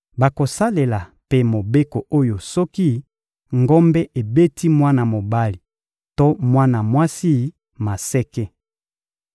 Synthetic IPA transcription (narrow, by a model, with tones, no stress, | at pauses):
ba˨ko˨sa˦le˨la˨pe˦mo˨be˦ko˨o˦jo˨sɔ˦ki˦ | ŋɡɔ˦mbɛ˦ʔe˨be˦tʰi˦mwa˦na˨mo˨ba˦li˨ | to˦mwa˦na˨mwa˦si˦ | ma˨sɛ˦kɛ˦